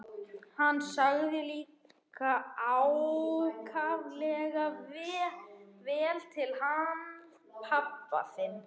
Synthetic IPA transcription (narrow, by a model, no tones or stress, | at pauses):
hanːsaɣðɪliːk | aawkʰavlɛɣav | vɛːlt̪ʰɪlhan | pʰapːa̰fɪnː